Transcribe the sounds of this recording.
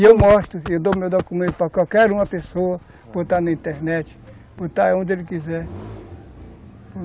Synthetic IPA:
ewmɔʃt̪ʊsɪed̪omewd̪okomeɡ̪ʊpakawkɛɾũmɐpesoɐ | b̥ot̪anɐĩnt̪eɾnɛt͡ʃɪ̥ | bot̪aɛõnd̪elɪkizɛɾ

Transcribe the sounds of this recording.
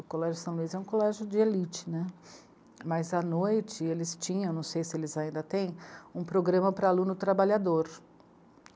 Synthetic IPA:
ʊkolɛʒʊsɐ̃w̃luizɛũkolɛʒjʊd͡ʒɪelit͡ʃɪ̥nɛ | mɐzɐnojt͡ʃɪelɪst͡ʃĩɲɐ̃ẽnɐ̃w̃sejsɪelɪzaĩnd̪ɐt̪ẽj̃ũpɾoɡɾɐ̃mɐpɾɐalũnʊt̪ɾabaʎad̪oɾ

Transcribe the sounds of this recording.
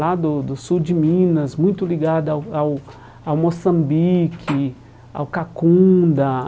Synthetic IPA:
lad̪ʊd̪ʊsuwd͡ʒɪmĩnɐzmũj̃t̪ʊliɡad̪ʊawaw | awmosɐ̃mbikʰɪ | a̰wkakũd̪ɐ

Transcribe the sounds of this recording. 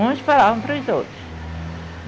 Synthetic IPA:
ũsfalavɐ̃w̃pɾɐʊzowt̪ɾʊs

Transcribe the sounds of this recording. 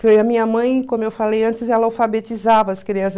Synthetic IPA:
fejɐmĩɲɐmɐ̃j̃kõmʊewfalejɐ̃nt͡ʃɪzɛlɐawfabet͡ʃizavɐɐskeɾiɐz

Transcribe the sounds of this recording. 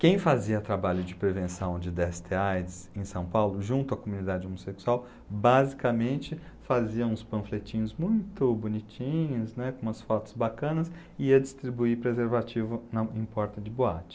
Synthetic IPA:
kẽj̃faziɐt̪ɾabaʎʊd͡ʒɪpɾevẽsɐ̃w̃d͡ʒɪd̪ɛst̪eajd̪ɪsẽj̃sɐ̃w̃pawlʊʒũnt̪ʊɐkomũnid̪ad͡ʒɪomoseksuaw | bazikɐmẽnt͡ʃɪ | faziɐũspɐ̃flet͡ʃĩɲʊzmũj̃t̪ʊbonit͡ʃĩɲʊznɛkõũɐsfɔt̪ʊ̥zbakɐ̃nɐs | ɪiɐd͡ʒɪst̪ɾibuipɾezeɾvat͡ʃivʊnɐẽpɔɾt̪ɐd͡ʒɪboat͡ʃɪ̥

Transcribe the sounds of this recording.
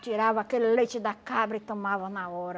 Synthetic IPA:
t͡ʃiɾavɐakelɪlejt͡ʃɪd̪akabɾɐɪt̪omavɐnaɔɾɐ

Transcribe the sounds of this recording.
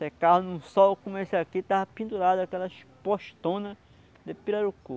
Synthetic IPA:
sekaɦnũsɔwkũmesakit̪avɐpĩnd̪uɾad̪ʊakɛlɐʃpoʃt̪õnɐ | d̪epiɾaɾuko

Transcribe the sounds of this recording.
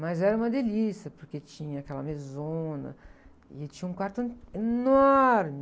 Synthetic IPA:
mɐzɛɾɐũmɐd̪elisiɐpoɾket͡ʃĩɲɐakɛlɐ̰mezõnɐ̰ | ɪt͡ʃĩɲɐũkwaɾt̪ɐ̃enɔɾmɪ

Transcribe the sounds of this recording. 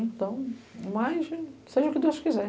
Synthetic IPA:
ẽt̪ɐ̃w̃majʃseʒɐʊkɪd̪ewʃkizɛ

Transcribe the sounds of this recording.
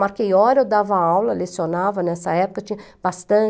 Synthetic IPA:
maɾkejɔɾewd̪avɐawlɐlesionavɐnɛsɐɛpʊ̥kɐt͡ʃĩɲɐ | bast̪ɐ̃

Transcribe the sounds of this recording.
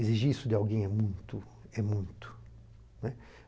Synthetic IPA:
eziʒiisʊd̪ɪawɡẽj̃ɛmũj̃t̪ʊ | ɛmũj̃t̪ʊ̥ | nɛ

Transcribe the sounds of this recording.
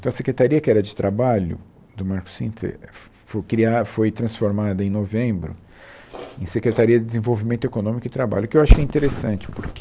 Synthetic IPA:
t̪ɐ̃w̃ɐsekɾet̪aɾiɐkɪɛɾɐd͡ʒɪt̪ɾabaʎʊ̰ | d̪ʊmaɾkʊ̥sḭ̃fḛɾ | fokɾiafojt̪ɾɐ̃sfoɾmad̪ɐẽj̃novẽmbɾʊ̰ | ẽsekɾet̪aɾiɐd͡ʒɪd̪ɪzẽvowvimẽnt̪ʊekonõmikʊd͡ʒɪt̪ɾaba̰ʎʊkɪewaʃʊ̥kɛĩt̪eɾesɐ̃nt͡ʃɪ̥pʊɾk

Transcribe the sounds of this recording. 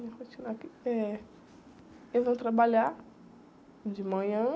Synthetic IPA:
ɐ̃kot͡ʃinakiɛ | elɪzvɐ̃w̃t̪ɾabaʎa | d͡ʒɪmɐ̃ɲɐ̃

